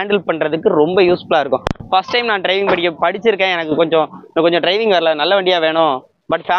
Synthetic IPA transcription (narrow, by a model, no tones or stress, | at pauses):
aːɳɖɐlpɐɳɾɐðɯkːɯɾɔmbɐjuːsfɐɭaːɪɾɯkːʊ̃fɐsʈːɐɪmnãːɖɾɐɪʋɪŋɡ̚pɐɽɪkːɯpɐɽɪt͡ʃːɪɾɯkːẽːɛnɐkːɯkɔɲd͡ʒɔ̃kɔɲd͡ʒɔ̃ɖɾɐɪʋɪŋɡʋɐɾɐlanɐlːɐʋɐɳɖɪjaːʋeːɳʊ̃ | bɐʈfaː